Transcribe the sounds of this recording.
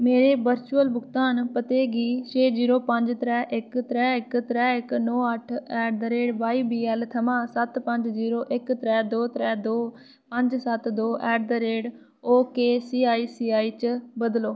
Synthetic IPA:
meːɾeːbəɾt͡ʃuːəlbʊkt̪aːnpət̪eːɡiːt͡ʃʰeːziːɾoːpəɲd͡ʒt̪ɾɛːʔɪkt̪ɾɛːɪkt̪ɾɛːɪknɔːəʈʰɛːʈ̚d̪əɾeːɖbaːiːbiːɛːlt̪ʰəmãːsət̪pəɲd͡ʒziːɾoːʔɪkt̪ɾɛːd̪oːt̪ɾɛːd̪oː | pəɲd͡ʒsət̪d̪oːʔɛːʈ̚d̪əɾeːɖ | oːkeːsiːaːiːsiːaːiːt͡ʃbəd̪loː

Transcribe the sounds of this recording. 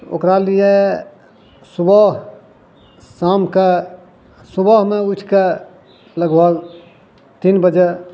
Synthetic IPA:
o̰kɾalije | subəɦ | samke | subəɦmeut͡ʃʰke | ləɡbəɡ | t̪inbəd͡ʒe

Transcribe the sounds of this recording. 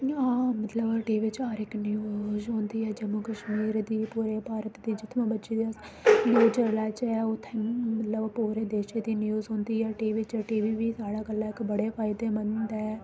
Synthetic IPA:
ɦãːmət̪ləbʈiːʋɪt͡ʃaːɾɪknɪjuːzɦõːnd̪iːɛːd͡ʒəmʊkəʃmiːɾd̪iːpuːɾeːpaːɾət̪d̪iːd͡ʒɪt̪ʰmãbətːʃeːd̪iəs | d̪oːd͡ʒəlaːt͡ʃɛːʊt̪ʰːmət̪ləbpuːɾeːd̪eːʃeːd̪iːnjuːzɦõːnd̪iːɛːʈiːʋɪt͡ʃːʈiːʋiːʋiːsaːɽaːɡəlːaːɪkbəɽeːpʰaːɪd̪eːmənd̪ɛɛː

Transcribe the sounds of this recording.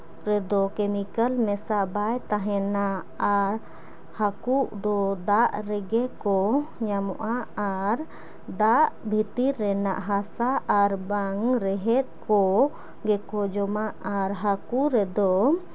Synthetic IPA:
ɾɛd̪ɔkɛmikəlmɛsabajt̪aɦɛnaː | ɾ | hakuʔd̪ɔd̪aʔɾɛɡɛkɔɲamɔʔaaɾ | d̪aʔbʱit̪iɾːɛna̰ʔɦasaʔaɾbaŋɾɛɦɛt̪̚ˀkɔ | ɡɛkɔd͡ʒɔmaʔaɾɦakuɾɛd̪ɔ

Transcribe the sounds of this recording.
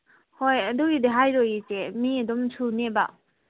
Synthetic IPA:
hojɐduɡideɦajɾɔjisemiɐdɔmsʰuneba

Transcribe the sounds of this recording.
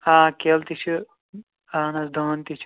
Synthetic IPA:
aːkelt̪it͡ʃʰu | aːnɐsd̪ʱoːnt̪it͡ʃʰu̥

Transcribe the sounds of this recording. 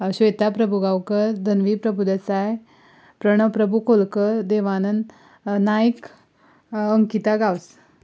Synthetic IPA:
ɕʋejt̪apɾəbʱuɡawkəɾd̪ʱənʋipɾəbʱud̪esaj | pɾəɳ̃əʋpɾəbʱukolkəɾd̪eʋanən | najik | əŋkit̪aɡaws

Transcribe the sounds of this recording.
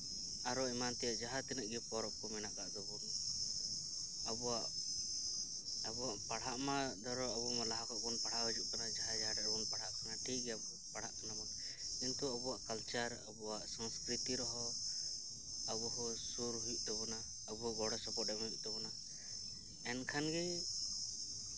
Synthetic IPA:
aɾɔɛmant̪ɛjaʔd͡ʒaɦat̪ɛnəʔ̚ɡɛpɔɾɔp̚kɔmɛnaʔɡaʔd̪ɔbun | abɔaʔ | abɔwaʔpaɽ̤aʔmad̪ɔɾɔabɔmalaɦakɔʔbɔnpaɽ̤aʔbɔd͡ʒuʔkanad͡ʒaɦad͡ʒaɦaɾɛbɔnpaɽ̤aʔkanaʈʰik̚ɡɛabɔ | paɽ̤aʔkanabɔn | kint̪uabɔaʔkalt͡ʃaɾa̰bɔwaʔsaŋskɾit̪iɾɔɦɔ | abɔɦɔsuɾɦuiʔ̚t̪ɔβɔna | əbɔaʔɡɔɽɔsɔpɔɛuiʔ̚t̪ɔβɔna | ɛnkʰanɡɛ

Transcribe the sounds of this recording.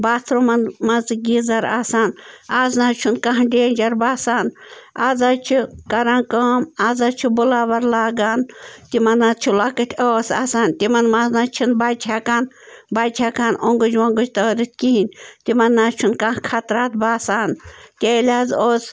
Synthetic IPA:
baːt̪ʰɾomɐnmɐzɡʲizɐɾaːsaːnaːznaːt͡ʃʰunkaɦɖeːnʲd͡ʒɐɾbaːsaːnaːzaːt͡ʃʰikɐɾãːnkaːmaːzat͡ʃʰibulaːbɐɾlaːɡaːnt̪imɐnːatt͡ʃʰulɐkɨt̪ʲʰoːsaːsaːnt̪imɐnmaznaːt͡ʃʰinbaːt͡ʃʲʰakaːn | baːt͡ʃʲʰakaːnoŋɡud͡ʒʋɐŋɡud͡ʒt̪ɐːɾit̪̚ʲkiɦinʲt̪imɐnːaːt͡ʃʰunkãhkʰɐt̪ɾaːt̪̚baːsaːnt̪ʲeːlʲaːzoːs

